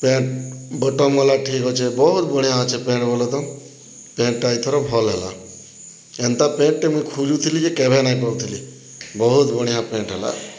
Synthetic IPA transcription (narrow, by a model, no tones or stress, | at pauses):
pẽːʈbɔʈɔmɔlaʈʰiːkɦɔt͡ʃʰebɔɦut̪bəɽijãt͡ʃʰepẽːɳʈbɔlɔt̪ɔm | pẽːɳʈʈait̪ʰɔɾɔbʱɔlɦɛla̰ | ent̪apẽːʈʈemũjkʰuːljut̪ʰilid͡ʒekebʱenaĩpɔɽũt̪ʰili | bɔɦut̪bəɽ̃ijãpẽːɳʈɦɛla̰